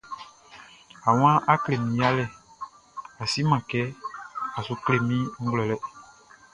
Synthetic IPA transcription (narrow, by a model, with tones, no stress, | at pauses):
a˨w̃ã˦ʔa˦kle˨mĩ˨ja˦lɛ˦˨ | a˨si˦mã˨kɛ˦a˨su˨kle˨mĩ˦ŋ̩˦ɡlɔ˨lɛ˦